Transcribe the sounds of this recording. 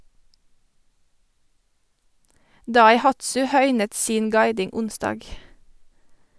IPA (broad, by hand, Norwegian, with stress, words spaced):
dɑɪˈhɑtsʉ ˈhœʏnət ˈsiːn ˈɡɑɪdɪŋ ˈʊnsdɑːɡ